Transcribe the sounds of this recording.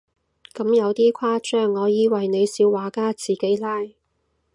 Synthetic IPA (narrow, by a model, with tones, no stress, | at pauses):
kɐ˨˥mjɐ˨˧wt̪iː˥kʷʰaː˥t͡ʃœː˥˩ŋːɔː˨˧jiː˨˧wɐ˨jne˨˧jsiː˨˥wːaː˨˥kaː˥t͡siː˨˩ke˨˥jlaː˥j